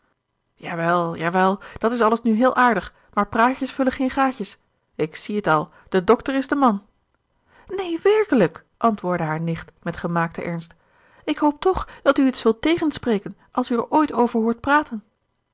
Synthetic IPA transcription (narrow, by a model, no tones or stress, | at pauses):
jaːʋɛlˠjaːʋɛlˠd̥ɑtɪsɑləsnyɦɪːlˠʔaːɹdəχ | maːɹpraːcəsfɵləχejnχaːcəs | ɪksiətɑlˠ | d̥ədɔktəɹɪzdəmɑn | nejʋɛɹkələk | ʔɑntʋʊːɹdəɦaːɹnɪχtmɛtχəmaːk̚təʔɛɹnst | ɪkɦowp̚tɔχd̥ɑtyitsʋɪlˠtejχənsprejkənʔɑlˠsyəɹʔojtowvəɹɦʊːɹt̚praːtən